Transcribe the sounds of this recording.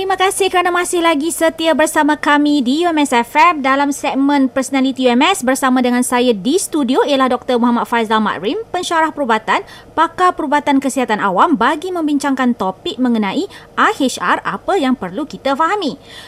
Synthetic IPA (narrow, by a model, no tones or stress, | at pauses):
t̪əɾimãkasɪhkəɾanãmãsɪhlaɡisət̪iabərsamãkamĩdiuɛmɛsɛfɛmdalamsɛk̚mə̃npərsonalit̪iuɛmɛsbərsamãdəŋãnsajadist̪udioialahdɔk̚t̪ərmoɦamat̪̚fajsama̰ʔɾimpəɲʃaɾahpəɾubat̪an | pakapəɾubat̪ankəsiɦat̪anawambaɡimə̃mbiɲt͡ʃaŋkant̪opɪk̚mə̃ŋənãʔiʔahet͡ʃa̰ra̰pajaŋpərlukit̪afaɦamĩ